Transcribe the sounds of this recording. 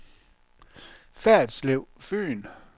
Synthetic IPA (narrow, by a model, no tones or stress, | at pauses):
fæɐd̥sleʊfø̰ːn